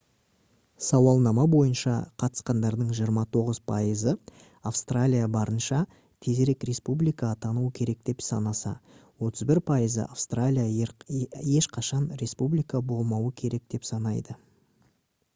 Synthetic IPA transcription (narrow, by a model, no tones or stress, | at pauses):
sɑwɑlˠnɑmɑbo̞jənʃɑ̰qʰɑt̪ə̥sqɑnd̪ɑɾd̪əɴʒijəɾmɑt̪ʰo̞ʁəz̥pʰɑjəzə | afst̪ralʲijabɑɾənʃɑ | t̪ʰe̞zeɾe̞kɾe̞spublijkɑt̪ʰɑnuwəkʲʰe̞ɾe̞k̚d̪e̞psɑnɑsɑ̰wo̞t̪ʰəzbɪɾpʰɑjəzə̰ʔafst̪ralʲija | je̞ʃqʰɑʃɑnɾe̞spublijkɑbo̞lˠmɑwəkʲʰe̞ɾe̞k̚d̪̥e̞psɑnɑjd̪ə